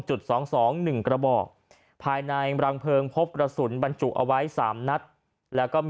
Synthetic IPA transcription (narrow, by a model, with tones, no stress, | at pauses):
t͡ɕu˨˩t̪̚sɔː˩˦ŋsɔː˩˦ŋnɯ˨˩ŋkɾa˧bɔː˨˩k̚ | pʰaː˧jna˧jɾa˧ŋpʰɤː˧ŋpʰo˦˥p̚kɾa˧su˩˦nba˧nt͡ɕu˨˩ʔa̰˧wa˦˥jsaː˩˦mna˦˥t̪̚ | lɛː˦˥wkɔː˥˩m